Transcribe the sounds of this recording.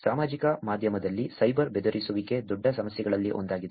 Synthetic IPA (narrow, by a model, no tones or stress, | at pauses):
saːmaːd͡ʒikɐmaːd̪ʱjɐmɐd̪ɐlːisɐjbɐɾbed̪ɐɾʔisuʋike̞d̪ɔɖʱːɐsɐmɐsjɛɡɐɭɐlːiʔo̞̰nd̪aːɡid̪e